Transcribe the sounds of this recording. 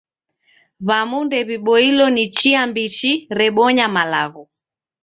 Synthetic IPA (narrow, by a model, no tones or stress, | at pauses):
βamundɛβiɓɔilɔnit͡ʃiambit͡ʃiɾɛɓɔɲamalaɣɔ